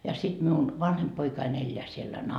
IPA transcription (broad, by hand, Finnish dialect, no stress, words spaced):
jɑ sit miun ʋɑnhemp poikɑin elːeæ sielːæ